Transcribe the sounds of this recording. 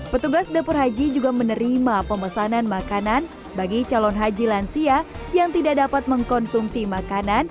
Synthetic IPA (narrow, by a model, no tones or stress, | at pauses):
pət̪uɡasdapʊrɦad͡ʒid͡ʒuɡamənəɾimapəməsananmakanan | baɡit͡ʃalɔnɦad͡ʒilansiajaŋt̪idak̚dapat̪̚məŋkɔnsumsimakanan